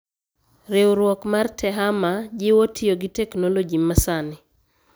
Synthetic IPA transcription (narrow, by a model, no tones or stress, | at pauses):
ɾewɾwɔkmartʰɛɦamad͡ʒɪwotʰijoɡɪtɛknolod͡ʒimasanɪ